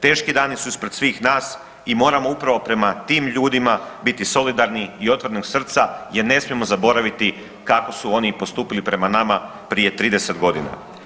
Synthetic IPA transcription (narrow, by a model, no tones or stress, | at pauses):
t̪e̞ːʃkid̪aːnisuispɾed̪sʋiːxnaːs | imo̞ːɾamoupɾaʋo̞pɾe̞mat̪iːmʎuːd̪imabit̪iso̞lid̪aɾniio̞t̪ʋoɾeno̞ɡsr̩t̪sajeɾne̞smijemo̞zabo̞ɾaʋit̪i | kako̞suo̞nipo̞st̪uːpilipɾe̞manama | pɾije̞t̪ɾiːd̪ese̞t̪ɡo̞d̪ina̰